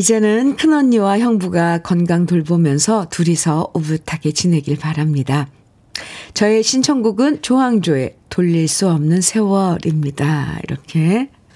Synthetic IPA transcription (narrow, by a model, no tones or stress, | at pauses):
id͡ʑe̞nɯnkʰɯnʌɲːiwaçjʌŋbuɡakʌnɡaŋtoɭbomjʌnsʰʌtuɾisʰʌubutʰaɡe̞t͡ɕine̞ɡiɭpaɾamɲida | t͡ɕʌe̞ɕʰint͡ɕʰʌŋɡuɡɯnt͡ɕoɦaŋd͡ʑoe̞toʎːiɭs͈uʌmnɯnsʰe̞wʌɾimɲidaḭɾʌkʰe̞